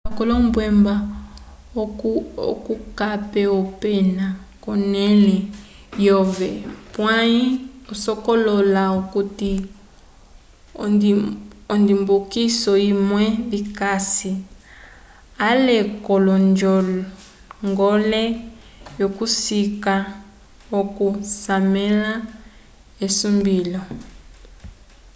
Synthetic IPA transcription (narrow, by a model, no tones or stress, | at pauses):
akɔlɔmbwɛmba | o̰kukapɛɔpɛna | kɔnɛlɛ | jɔvɛpwaiɔsɔkɔlɔlaokuti | ɔ̰ndɔndimbukisɔimwɛβikasi | alekɔlɔnd͡ʒɔl | ŋɡɔlɛ | jokusika | okusamɛla | esumbilɔ